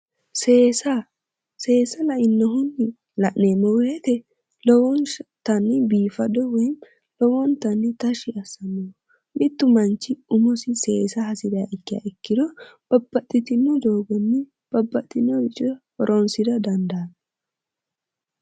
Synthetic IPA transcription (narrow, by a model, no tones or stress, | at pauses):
seːsɐ | se̞ːsɐlɐʔɪnːɔɦʊnːɪ | lɐʔneːmɔwɛt̪ɛ | lɔwɔnt̪ɐnːɪbiːfɐd̪ɔwɔjn | lɔwɔnt̪ɐnːɪt̪ɐʃɪɐsɐnːɔw | mɪt̪ːʊmɐnt͡ʃːɪʊmɔsɪse̞ːsɐhɐsɪd̪aʔɪkːɪja̰ɛkːɪd̪ɔb̥ɐbːɐt̪ʼːɪt̪ɪnːɔd̪o̞ːɡɔnːɪ | b̥ɐbːɐt̪ʼːɪnːɔbɪt͡ʃʼɪ | ɔɾʔɔnsɪd̪ɐd̪ɐnd̪aː